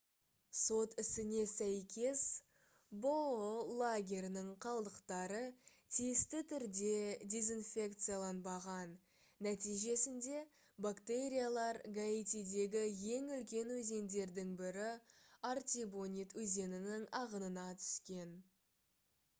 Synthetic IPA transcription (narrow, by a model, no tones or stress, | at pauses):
so̞t̪ɪsɪne̞sæjkʲe̞s | bolˠaɡʲe̞ɾnɪɴqʰɑlˠd̪əqt̪ɑɾə | t̪ʰijɪst̪ɪt̪ʰʏɾd̪e̞d̪ʲe̞zinfʲe̞kt̪sɨjalˠɑnbɑʁɑnː | æt̪ijʒe̞sɪnd̪e̞ | bakt̪e̞ɾʲijalˠɑɾɡait̪id̪e̞ɡʲɪje̞ŋʏlkʲe̞nwɵze̞nd̪e̞ɾd̪ɪŋbɪɾɪart̪ʲibo̞nʲit̪wɵze̞nɪnɪŋɑʁənənɑt̪ʰʏ̥skʲe̞n